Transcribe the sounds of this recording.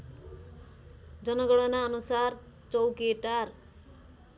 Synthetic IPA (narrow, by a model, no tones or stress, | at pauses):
d͡zʌnʌɡʌɽʌnaʌnusar | t͡sʌwkeʈar